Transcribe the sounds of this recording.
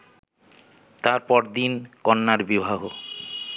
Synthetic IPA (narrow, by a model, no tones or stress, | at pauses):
t̪aɾpɔɾd̪inkɔnːaɾbibʱaɡo